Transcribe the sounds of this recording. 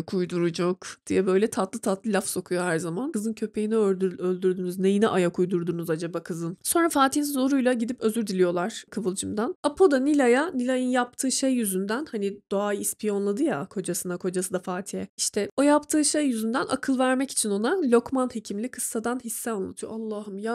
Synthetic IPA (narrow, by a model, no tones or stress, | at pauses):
kʰujd̪uɾud͡ʒokd̪̥ijɛbø̞jlʲɛt̪ʰat̪lˠɯt̪ʰat̪lˠɯlʲafso̞kʰujo̞hæɾzamankɯzɯncʰø̞pʰejiniødølʲd̪yɾd̪ynyznɛjinɛʔajakʰujd̪uɾd̪unuzad͡ʒabakʰɯzɯnso̞nɾafaːt̪ʰinizo̞ɾujlˠaɟid̪ipø̞zyɾd̪ilʲijo̞lˠaɾ̥kʰɯvɯlˠd͡ʒɯmd̪anapʰo̞d̪anilʲajanilʲajɯnjap̚t̪ʰɯːʃejːyzynd̪ænhanid̪̥oajispʰijo̞nlˠad̪ɯja̰kʰo̞d͡ʒasɯnakʰo̞d͡ʒasɯd̪afaːt̪ʰijɛiʃt̪ʰɛo̞japt̪ʰɯːʃejːyzynd̪ænʔa̰kʰɯlˠvæɾmɛci̥t͡ʃʰino̞nalʲo̞kmanhe̞cʰimlʲikʰɯsːad̪anhisːɛanlˠa̰t̪ʰɯjo̰ʔalˠːaːhumja